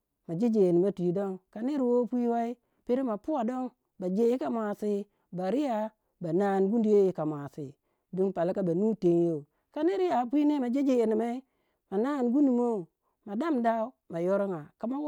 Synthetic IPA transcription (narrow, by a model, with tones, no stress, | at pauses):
ma˨d͡ʒe˦d͡ʒe˨je˨ni˨ma˦ti˨i˨do˦ŋka˨ni˦ɾi˨wo˦pʷi˦wa˦i˦ | pi˦ɾi˦ma˨pu˦wa˨do˦ŋ | ba˨d͡ʒe˦ji˦ka˨mʷ˨a˨si˦ | ba˨ɾi˦ja˦ | ba˨na˦˨nɡu˦ndi˨je˦ji˨˦ka˨mʷ˨a˨si˨ | du˦npa˨la˦ka˦ba˨nu˦te˨˦njo˦˨ | ka˦ni˦ɾi˦ja˨pʷi˦ne˦ma˨d͡ʒe˦d͡ʒe˨e˨ni˨ma˦i˦ | ma˨na˦˨nɡu˦ndi˨mo˦˨ | ma˨da˦mda˦u˦ma˨jo˦ɾo˦ŋa˨ka˨ma˦